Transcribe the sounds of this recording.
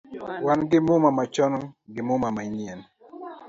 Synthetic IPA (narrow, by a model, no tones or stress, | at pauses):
wanɡɪmʊmamat͡ʃɔnɡɪmʊmamaɲiɛn